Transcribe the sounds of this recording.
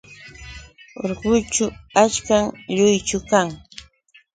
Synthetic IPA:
o̰ɾɢʊt͡ʃʊat͡ʃkaŋʎʊjt͡ʃʊkaŋ

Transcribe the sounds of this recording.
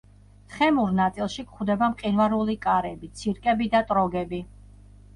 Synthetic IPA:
t̪ʰχɛmuɾnat̪sʼilˠʃikχwd̪ɛbamqʼinvaɾulikʼaɾɛbit̪sʰiɾkʼɛbid̪at̪ʼɾɔɡɛbi

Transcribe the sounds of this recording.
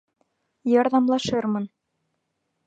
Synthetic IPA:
jɒɾðɑmlˠɑʃɤɾmɤn

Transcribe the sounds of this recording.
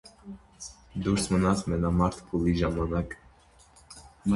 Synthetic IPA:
d̪uɾsmənat̪mɛnamaɾt̪ʰpʰuliʒamanak

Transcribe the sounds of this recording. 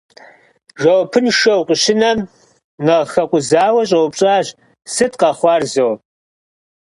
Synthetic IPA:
ʒɐwpʰɨnʃɐwqʼəʃɪnɐm | nɐʁxɐqʷʼʊzaːwɐɕʼɐwpɕʼaːɕ | sɨtʰʼqɑχʷɑːrzow

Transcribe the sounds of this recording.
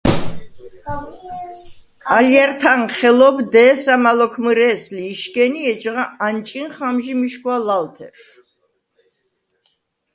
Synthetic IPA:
alijaɾt̪ʰanχɛlɔbd̪ɛːsamalɔkʰmɨɾɛːsliːʃkʼɛniɛt͡ʃʁaant͡ʃʼinχamʒimiʃkwalalt̪ʰɛ̰ɾʃ

